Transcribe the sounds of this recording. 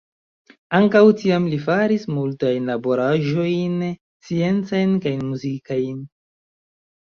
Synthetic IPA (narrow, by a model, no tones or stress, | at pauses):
aŋkawtiamlifaɾismultajnlabo̞ɾaʒo̞jn | t͡sie̞nt͡sajnkajnmuzikajn